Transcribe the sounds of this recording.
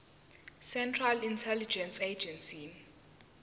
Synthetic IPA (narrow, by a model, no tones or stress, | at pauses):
sɛntʰralintʰɛlid͡ʒɛnsed͡ʒɛnsin